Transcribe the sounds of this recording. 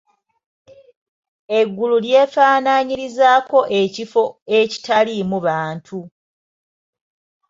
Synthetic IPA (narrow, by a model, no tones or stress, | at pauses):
e̞ɡːululje̞ːfaːnaːɲiɾizaːko̞ʔecifo̞eci̥talimuβaːntʰu